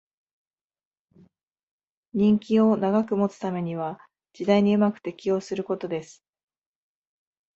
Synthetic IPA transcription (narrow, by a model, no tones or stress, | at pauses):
ɲ̟ʲĩŋkʲio̞naɡakɯ̟mo̞t͡sɨ̥t̪ame̞ɲ̟iβa | d͡ʑid̪aiɲ̟iɯ̟makɯ̟̥t̪e̞kʲio̞sɨɾɯ̟ko̞t̪o̞d̪e̞sɨ̥